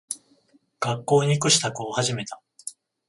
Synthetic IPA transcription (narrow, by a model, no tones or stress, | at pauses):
ɡ̥akːo̞ːɲikɯ̟ɕi̥t̪akoːhaʑime̞t̪a